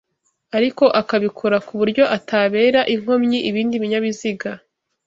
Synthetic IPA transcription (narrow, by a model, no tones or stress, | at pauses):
aɾiko̞ʔakaβikʰoɾakuβuɾɟo̞ʔataβe̞ːɾaʔiŋ̥ho̞mɲiʔiβiːndiβiɲaβiziɡa